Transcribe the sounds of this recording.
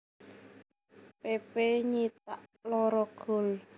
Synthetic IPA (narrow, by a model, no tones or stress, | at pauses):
pepeɲit̪̚aʔlɔɾɔɡ̥o̤l